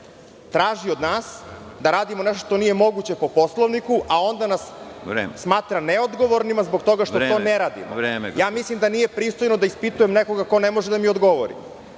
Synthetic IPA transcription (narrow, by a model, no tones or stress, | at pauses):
t̪ɾaːʒiod̪naːsd̪aɾaːd̪imoneʃt̪o̥ʃt̪o̞nije̞mo̞ɡut͡ɕe̞po̞po̞slˠoʋnikuʔao̞nd̪anasesːmaːt̪ɾaneod̪ɡo̞ʋoɾnimazbo̞ɡt̪o̞ɡaʃt̪ot̪ːoːneɾaːd̪ḭmɾejaːmislimd̪anije̞pɾiːst̪ojnod̪aispit̪ujemneko̞ɡako̞nemo̞ʒed̪amiod̪ɡo̞ʋoɾḭ